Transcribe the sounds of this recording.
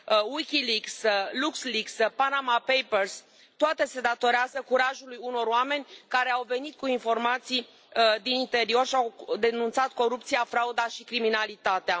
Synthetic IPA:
wikʲilikslukslikspanamapejpers | t̪oat̪e̞se̞d̪at̪o̞ɾeazəkuɾaʒulujuno̞ɾoame̞nʲkaɾe̞awve̞nit̪̚kuinfo̞rmat̪si | d̪inint̪e̞ɾio̞rʃiawd̪e̞nunt̪sat̪̚ko̞ɾup̚t̪sijafɾaud̪aʃikɾiminalit̪at̪ea

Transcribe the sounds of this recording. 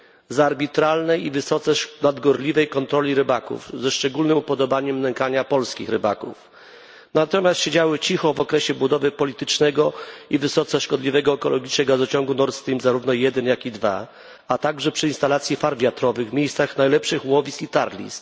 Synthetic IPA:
zaɾbʲit̪ɾalnɛjivɘsɔt̪sɛʂnad̪ɡɔɾlʲivɛjkɔnt̪ɾɔlʲiɾɘbakṵvzɛʂt͡ʂɛɡulnɘmupɔd̪ɔbaɲɛmnɛŋkaɲapɔlskʲḭxɾɘba̰kṵf | nat̪ɔmʲast̪ɕed͡ʑawɘt͡ɕixɔvɔkɾɛɕɛbud̪ɔvɘpɔlʲit̪ɘt͡ʂnɛɡɔivɘsɔt̪sɛʂkɔd̪lʲivɛɡɔɛkɔlɔɡʲit͡ʂnɛɡazɔt͡ɕɔŋɡunɔɾt̪st̪ɾimzaɾuvnɔjɛd̪ɛnjakʲid̪va̰ | at̪aɡʐɛpʂɘinst̪alat̪sʲjifaɾvʲjat̪ɾɔvɘɣmʲejst̪saxnajlɛpʂɘxwɔvʲisit̪aɾlʲḭs

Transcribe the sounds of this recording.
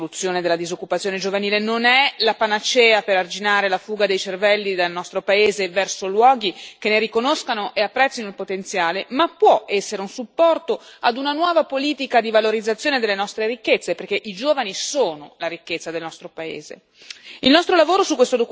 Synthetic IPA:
lut̪sːjoːned̪elːad̪izokːupat̪sːjoːned͡ʒovaniːlenonɛlapanat͡ʃɛːapeɾard͡ʒinaːɾelafuːɡad̪ejt͡ʃervɛlːid̪alnɔst̪ɾopaeːzevɛrsolwɔːɡikenːeɾikonoskanoʔeapːɾɛt̪sːinoilpot̪ent̪sjaːlemapːwɔɛsːeɾeunsupːɔrt̪oad̪unanwɔːvapoliːt̪ikad̪ivaloɾid̪zːat̪sːjoːned̪elːenɔst̪ɾeɾikːet̪sːeperkeʔid͡ʒoːvanisoːnolaɾikːet̪sːad̪elnɔst̪ɾopaḛːzḛ | ilnɔst̪ɾolavoːɾosukːwest̪od̪ok

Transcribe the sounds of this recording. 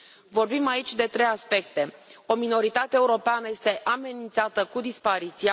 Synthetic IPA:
vo̞rbimait͡ʃʲd̪e̞t̪ɾejaspe̞k̚t̪e̞o̞mino̞ɾit̪at̪eeuɾo̞peanəje̞st̪e̞ʔame̞nint̪sat̪əkud̪ispaɾit̪sia

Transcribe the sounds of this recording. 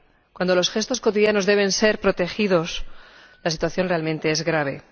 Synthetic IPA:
kwand̪o̞lo̞sxe̞st̪o̞sko̞t̪iðjano̞zðe̞β̞e̞nse̞ɾpɾo̞t̪e̞xiðo̞s | lasit̪waθjo̞nre̞almẽnt̪e̞ezɣɾaβ̞e̞̰

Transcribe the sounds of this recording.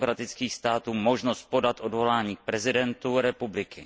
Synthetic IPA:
kɾat̪ɪt͡skiːxst̪aːt̪uːmo̞ʒnost̪̚po̞dat̪ʔo̞dvo̞laːɲiːk̚pɾɛzɪdɛnt̪uɾɛpublɪkɪ

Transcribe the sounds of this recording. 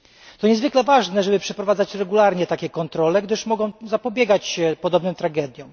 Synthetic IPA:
t̪ɔɲɛzvɘklɛvaʐnɛʐɛbɘpʂɛpɾɔvad̪zat͡ɕɾɛɡulaɾɲɛt̪akʲɛkɔnt̪ɾɔlɛɡd̪ɘʂmɔɡɔ̃w̃zapɔbʲjɛɡat͡ɕɕɛpɔd̪ɔbnɛmt̪ɾaɡɛd̪ʲjɔ̃w̃

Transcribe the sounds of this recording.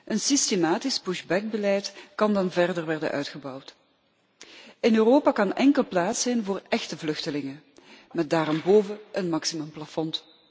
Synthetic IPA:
ʔənsistemaːtɪsbuʃbɛk̚bəlɛjtkɑndɑnvɛrdərʋɛrdə̰nʔœ̰ɥtxəbɑwt | ɪnøːroːpakɑnɛŋkəlˠplaːtsɛjnvoːrɛxtəvlɵxtəlɪŋə | mɛt̚daːɾɔmboːvəʔənmɑksimɵmplafɔnt

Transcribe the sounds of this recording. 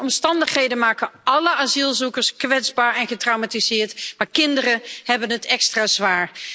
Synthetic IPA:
ɔmstɑndəχhejdənmaːkəɑləazilˠzukəɹskʋɛdzbaːɹɛnχətrawmatizɪːɹtmaːɹkɪndərəhɛbənɦətʰɛkstraːzʋaːɹ

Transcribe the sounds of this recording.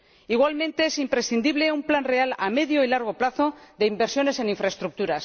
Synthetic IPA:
iɣ̞walmẽ̞nt̪e̞esimpɾe̞sθind̪iβle̞umplanre̞alame̞ðjoilaɾɣ̞o̞plaθo̞ðe̞imbe̞ɾsjo̞ne̞se̞niɱfɾaest̪ɾuk̚t̪uɾas

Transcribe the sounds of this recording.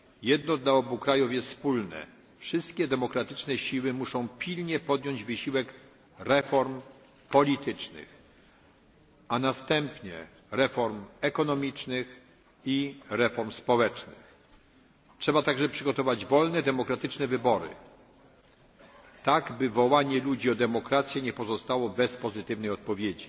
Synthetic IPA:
jɛd̪nɔd̪laɔbukɾajufjɛst̪spulnɛ̰ | fʂɘst̪kʲɛd̪ɛmɔkɾat̪ɘt͡ʂnɛɕiwɘmuʂɔ̃w̃pʲilɲɛpɔd̪jɔɲd͡ʑvɘɕiwɛk | ɾɛfɔɾm | pɔlʲit̪ɘt͡ʂnɘ̰x | anast̪ɛmpɲɛ̰ | ɾɛfɔɾmɛkɔnɔmʲit͡ʂnɘx | iɾɛfɔɾmspɔwɛt͡ʂnɘx | tʂɛbat̪aɡʐɛpʂɘɡɔt̪ɔvad͡ʑvɔlnɛd̪ɛmɔkɾat̪ɘt͡ʂnɛvɘbɔɾɘ̰ | t̪aɡbɘvɔwaɲɛlud͡ʑiɔd̪ɛmɔkɾat̪sʲjɛɲɛpɔzɔst̪awɔbɛspɔzɘt̪ɘvnɛjɔt̪̚pɔvʲjed͡ʑi

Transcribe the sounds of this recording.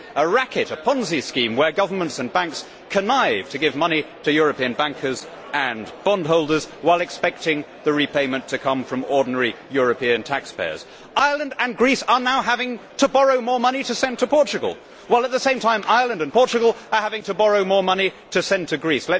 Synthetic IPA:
əɹækɨɾɨpʰɑ̃nziskĩmwə˞ɡʌvə˞mə̃ntsɨ̃nbæ̃ŋks | kʰɨnaɪv̥tʰɨɡɪvmʌniɾɨjʊɹɨpiɨ̃nbæ̃ŋkʰə˞z | ɨ̃nb̥ɑ̃ndɦoʊlˠdə˞zwaɪlˠɨkspɛk̚tɪ̃ŋ | ðɨɹipʰeɪ̃mɨ̃ntʰɨkʰʌ̃ɱfɹʌ̃mɔɹdⁿn̩ɛɹijʊɹɨpʰiɨ̃ntʰækspʰḛɪə̰˞z̥ | ʔaɪəlˠə̃ndɨ̃nɡɹisə˞naʊɦævɪ̃ŋtʰəbɑɹoʊmɔɹmʌniɾɨsɛ̃ntʰəpʰɔɹt͡ʃɨɡə̰l̩ˠ | waɪlˠət̪̚ðəsẽɪ̃mtʰãɪ̃mʔaɪə˞lˠə̃ndɨ̃npʰɔɹt͡ʃɨɡl̩ˠə˞hævɪ̃ŋtʰɨbɑɹoʊmɔɹmʌni | ɾɨsɛ̃ntʰɨɡɹislɛ

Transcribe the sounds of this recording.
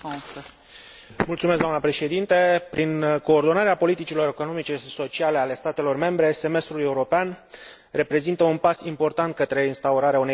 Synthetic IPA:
mult̪sumes̬ɡd̪oamnəpɾe̞ʃe̞d̪int̪e̞pɾiŋko̞ːrd̪o̞naɾeapo̞lit̪it͡ʃilo̞ɾe̞ko̞no̞mit͡ʃe̞ʃiso̞t͡ʃiale̞ale̞st̪at̪e̞lo̞rme̞mbɾe̞se̞me̞st̪ɾule̞uɾo̞pean | re̞pɾe̞zint̪əunpasimpo̞rt̪ant̪̚kət̪ɾe̞inst̪auɾaɾeaune

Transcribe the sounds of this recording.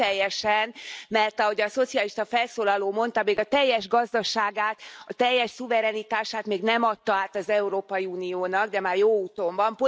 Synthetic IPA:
ɛjːɛʃɛnmɛrt̪ɒɦo̞ɟɒso̞t̪siɒliʃt̪ɒfɛlsoːlɒloːmo̞n̪t̪ɒmeːɡɒt̪ɛjːɛʒɡɒzd̪ɒʃaːɡaːt̪ɒt̪ɛjːɛʃsuvɛɾɛnit̪aːʃaːt̪meːɡnɛmɒt̪ːɒaːt̪ɒzɛuɾoːpɒjiuːnijoːnɒɡd̪ɛmaːrjoːuːt̪o̞mbɒmpo

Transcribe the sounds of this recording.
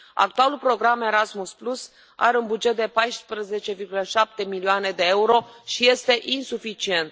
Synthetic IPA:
a̰k̚t̪ualulpɾo̞ɡɾame̞ɾasmusplus | a̰ɾeunbud͡ʒe̞t̪̚d̪e̞pajspɾəze̞t͡ʃe̞virɡuləʃap̚t̪e̞milioane̞d̪e̞euɾo̞ʃije̞st̪e̞ʔinsufit͡ʃie̞nt̪

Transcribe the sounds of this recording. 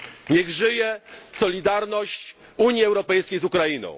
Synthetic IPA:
ɲɛɣʐɘjɛsɔlʲid̪aɾnɔɕt͡ɕ | uɲjiɛwɾɔpɛjskʲejzukɾainɔ̰̃w̃

